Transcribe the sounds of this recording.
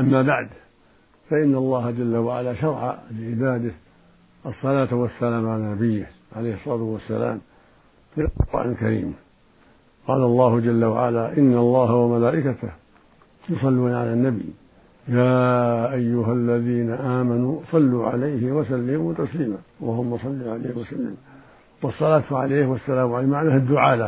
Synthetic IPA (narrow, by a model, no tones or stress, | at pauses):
ʔamːaːbaʕd̪ | faʔɪnːɑlˤːɑːhad͡ʒalːawaʕa̰laːʃɑɾˤʕa̰lɪʕɪbaːd̪ɪ | ʔɑsˤːɑlaːt̪wasːalaːmʕalanabɪjːɪ | ʕalejhsˤːɑɾˤɑːt̪wasːa̰la̰ːm | lɪqa̰ːnɪlkaɾḭːm | qɑːlɑlˤːɑːhʊd͡ʒalːawa̰ʕa̰laːʔɪnːalˤːɑːhawamalaːʔɪkat̪ɪh | jʊsˤɑlːuːnaʕa̰lanːabḭj | jaːʔajːʊɦalːaðiːnaʔaːmanuːsˤɑlːuːʕa̰lajhɪwasalːɪmuːt̪ɑsliːmaːwahʊmːɑsˤɑlːiʕalaːhɪwasalːɪ̰m | wɑsˤːɑlaːt̪ʊʕa̰leːhwasːalaːmʕalamaʕnahad̪ːʊʕaːla